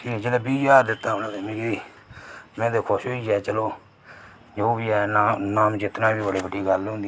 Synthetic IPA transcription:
kiːd͡ʒeleːbiːd͡ʒaːɾd̪ɪt̪ːaːonaːt̪eːmɪ̃ɡ̪iː | mɛ̃ːd̪eːkʰʊʃɦoːiːɛːt͡ʃəloː | d͡ʒoːbiːɛːaːnaːmd͡ʒɪt̪naːbiːbəɽeːbəɖiːɡəlɦõːnd̪i

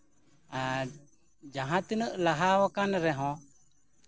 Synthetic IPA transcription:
a | d͡ʒaɦãt̪inəʔlaɦawɔkanɾɛɦɔ̃

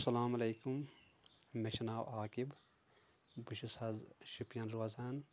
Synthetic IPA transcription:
sɐlaːmɐleːkum | meʃɐnaːwaːkib | buʃusɐzʃupjɐnɾuɐzaːn

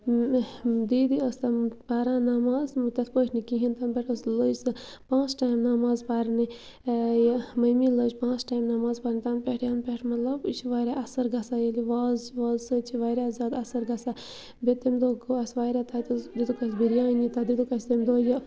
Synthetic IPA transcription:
d̪iːd̪iəst̪abaːɾãːnamaːzmt̪ɐt̪ʰpəʈʲʰnikiɦint̪ɐnbeʈəsləsɨ | pãːt͡sʈaːjmnamaːzpaːɾni | jmɐjmiləːt͡ʃpãːt͡sʈaːjmnamaːzpaːɾnit̪ɐnpʲeʈʰjɐnpʲeʈʰmɐt̪lɐbt͡ʃʰiʋaːɾʲaʔɐsɐɾɡɐsajeliʋaːzʋaːzsət͡ʃʰiʋaːjɾaːzaːd̪ɐsɐɾɡɐsa | bet̪emd̪oːɡoɐsʋaːjɾat̪ʰaːt̪ud̪id̪ukɐsbiɾjaːnit̪ɐd̪id̪ukɐst̪emd̪oːjɐ

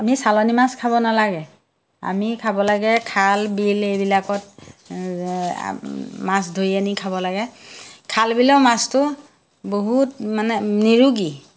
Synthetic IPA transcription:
amisalɔnimaskʰaβɔnalaɡɛ | a̰mikʰabɔlaɡɛkʰalbilejbilakɔt̚ | masdʱojanikʰaβɔlaɡɛkʰalbilɔwmastʊ | boɦutmanɛniɹuɡi

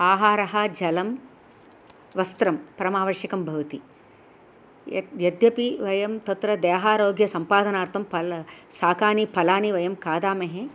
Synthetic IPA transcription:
aːɦaːɾɐɦɐd͡ʒɐlɐm | ʋɐst̪ɾɐmpɐɾɐmaːʋɐɾʃjɐkɐmbʱɐʋɐt̪i | jɐd̪jɐpiʋɐjɐmt̪ɐt̪ɾɐd̪eːɦaːɾoːɡjɐsɐmpaːd̪ɐnaːɾt̪ʰɐmpɐlsaːkaːnipʰɐlaːniʋɐjɐmkaːd̪aːmeɦe

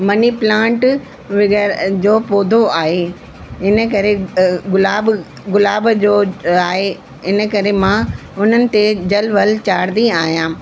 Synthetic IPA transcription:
mɐniplãːɳʈ | ʋɪɡəɾd͡ʑoːpoːd̪ʱoaːɦe | ɪnə̆kɐɾeʊlaːb | ɡʊlaːbd͡ʑoːaːɦe | ɪnə̆kɐɾemãː | ʊn̤ənɪ̆t̪ed͡ʑɐlʋɐlt͡ɕaːɾd̪iaːɦijãː

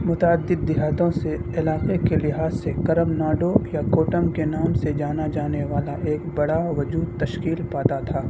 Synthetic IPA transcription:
mʊt̪aːd̪ːɪd̪̚ːɪɦaːt̪õseɪlaːqekelɪɦaːzsekɐɾəmnaːɖojakoːʈəmkenaːmsed͡ʒaːnad͡ʒaːneʋaːlaʔeːkbɐɽaʋɐd͡ʒuːd̪̚t̪ɐʃkiːlpaːt̪at̪ʰaː

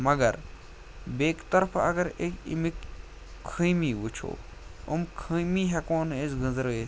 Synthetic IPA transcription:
mɐɡɐɾ | beːkt̪ɐɾpʰɐɡɐɾekḭmik | kʰɨjmiːʋut͡ʃʰo̰ː | ṵmkʰɨ̃jmiɦɛkoːnezɡə̃zɾəe

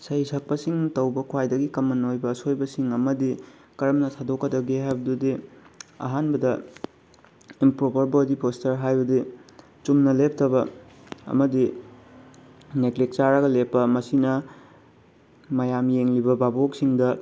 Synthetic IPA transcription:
sɐisʰɐk̚pɐsiŋtɐwbɐkʰwajdɐɡikɐmːɐnojbɐːsojbɐsiŋɐmɐdi | kɐɾɐmnɐtʰadokːɐdɐɡeɦajbɐdudiɐ̰ɦanbɐdɐ | impɾopɐɾbodipostɐɾɦajbɐdi | t͡ʃumnɐlep̚tʰɐbɐ | ɐ̰mɐdi | neklik̚t͡ʃaɾɐɡɐlepːɐmɐsinɐ | mɐjamjeŋlibɐbabok̚siŋdɐ

